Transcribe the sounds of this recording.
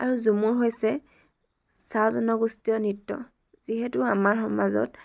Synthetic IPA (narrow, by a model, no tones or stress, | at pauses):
a̰ɹuzumuɹɦojsɛ | sazɔnɔɡustiɔnitːɔ̰ | z̥iɦɛtuamaɹxɔmazɔ̰t̚